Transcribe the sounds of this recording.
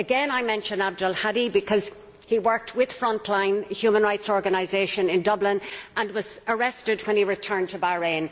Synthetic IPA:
əɡɛ̃naɪmɛ̃nʃə̃ndab̚dəlˠhaɾibɪkʰʌz̥ | hiwɜ˞k̚tʰwɪð̥fɹʌ̃ntʰlãɪ̃nhjʉmə̃nɹaɪtsɔɹɡənaɪzeɪʃə̃nɪ̃ndʌblɪ̃nʔə̃nwɒzəɹɛstɪd̚wə̃niɹɪtʰɜ̃˞ntʰəbaɹẽn

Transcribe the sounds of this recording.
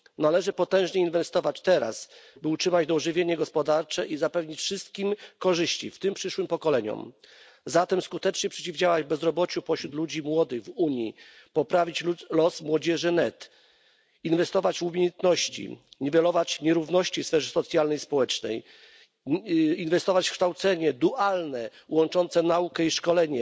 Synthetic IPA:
nalɛʐɘpɔt̪ɛ̃w̃ʐɲɛinvɛst̪ɔvat͡ɕt̪ɛɾa̰sbɘutʂɘmad͡ʑd̪ɔʐɘvʲjeɲɛɡɔspɔd̪aɾt͡ʂɛʔizapɛvɲit͡ɕfʂɘst̪̚kʲimkɔʐɘɕt͡ɕḭft̪ɘmpʂɘʂwɘmpɔkɔlɛɲɔ̰m | zat̪ɛmskut̪ɛt͡ʂɲɛpʂɛ̥t͡ɕivd͡ʑawad͡ʑvbɛzɾɔbɔt͡ɕupɔɕɾut̪lud͡ʑimwɔd̪ɘɣvuɲji | pɔpɾavʲit͡ɕlɔsmwɔd͡ʑɛʐɘnɛt̪ | invɛst̪ɔvat͡ɕvumʲejɛnt̪nɔɕt͡ɕḭɲvɛlɔvat͡ɕɲɛɾuvnɔɕt͡ɕifsfɛʐɛsɔt̪sʲjalnɛjspɔwɛt͡ʂnɛ̰j | invɛst̪ɔvat͡ɕfkʂt̪awt̪sɛɲɛd̪uʔalnɛwɔnt͡ʂɔnt̪sɛnaukɛiʂkɔlɛɲɛ

